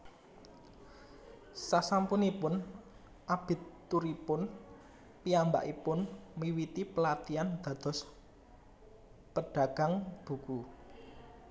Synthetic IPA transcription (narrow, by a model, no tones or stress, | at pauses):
sasampunipʊn | ʔab̥ɪ̤t̪ː | uɾipʊn | piamba̰ʔipʊnmiwit̪ipəlat̪iand̪̥ä̤d̪̥ɔ̤s | pəɖ̥a̤ɡ̥a̤ŋb̥ṳku